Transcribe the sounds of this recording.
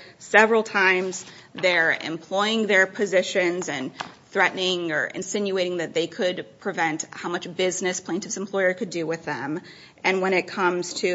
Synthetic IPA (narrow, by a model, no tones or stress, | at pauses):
sɛvɹl̩ˠtʰãɪ̃mz | ðə˞ɨ̰̃mpʰl̥ɔɪɪ̃ŋðə˞pʰɨzɪʃɨ̃nzɨ̃nθɹɛʔnɪ̃ŋə̰˞ʔɨ̰̃nsɪ̃njʉeɪɾɪ̃ŋðɨt̪̚ðeɪkʰɨd̚pʰɹ̥ɨvɛ̃nthaʊmʌt͡ʃb̥ɪznɨspʰl̥ẽɪ̃ntɨvzɨ̃m̩pʰl̥ɔɪə˞kʰɨdɨwɪðɨ̃m | ʔɨ̃nwə̃ɾ̃ɨt̚kʰʌ̃mz̥tʰɨ